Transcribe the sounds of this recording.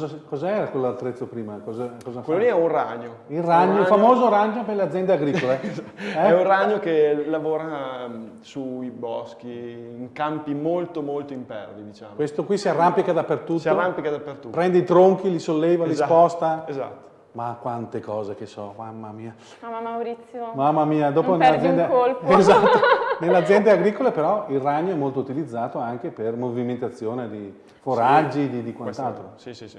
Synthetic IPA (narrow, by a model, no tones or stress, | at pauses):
ɔzakɔːzaɛːɾakwelːalt̪ɾet̪sːopɾiːmakɔzakɔːzakwelːoliɛuraɲo | ilraɲːofamoːzoɾaɲːoperlead̪zjɛnd̪eaɡɾiːkːoleɛɛuraɲːokelavoːɾa | suibɔsk̟iiŋkampimolt̪omolt̪oimpɛ̰ɾlid̪it͡ʃa̰ːkwest̪okwisiarːampikad̪apːert̪ut̪ːarampikad̪apːert̪upɾɛnd̪eit̪ɾoŋk̟ilisolːɛːvalispɔst̪aeza̰t̪ːo̥ | makwant̪ekɔːzekesɔmamːamiːa | mamawɾit̪sːjomamːamiːad̪oːponelːazɛnd̪ekolpezat̪ːonelead̪zːjɛnd̪eaɡɾikolepeɾɔilraɲːoɛmːolt̪out̪ilid̪zːaːt̪oaŋk̟epermoviment̪at̪sːjoːned̪i | foɾad͡ʒːid̪id̪ikwantt̪alt̪ɾoiii